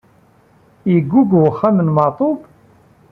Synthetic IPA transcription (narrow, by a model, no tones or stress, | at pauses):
jəɡːuɡwəχːamənmɑt̪ˤob